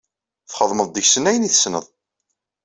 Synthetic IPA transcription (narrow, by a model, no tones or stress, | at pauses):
θχəðˤməðˤd̪əçsənæjəniθə̥snə̰ðˤ